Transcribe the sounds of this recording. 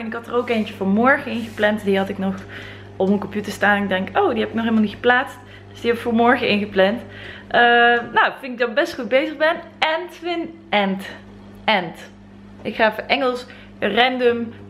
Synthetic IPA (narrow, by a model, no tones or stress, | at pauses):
ɛnɪkɦɑtərowkejnt͡ʃəvoːɹmɔɹχəɪnχəplɛntdiɦɑtɪknɔχ | ɔpmənkɔmpjutəɹstaːnɪɡ̚dɛŋowdiɦɛbɪknɔχelmalnitχə̥plaːtst | d̥əsdiɦɛbɪkfoːɹmɔɹɣəɪnɣəplɛntʔənowfɪntɪɡdɑbɛstχud̚bejzəɣbɛnɛntfɪn | ɛnt | ɛnt | ʔɪkχaːvoːɹʔɛŋəlˠs | rɛndøm